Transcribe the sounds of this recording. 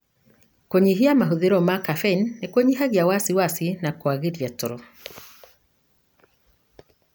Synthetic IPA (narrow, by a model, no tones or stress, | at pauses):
koɲiɦiamaɦuðiɾɔmakafenːekwoɲiɦaɣjawasiwasinakwaɣiɾjatɔɾɔ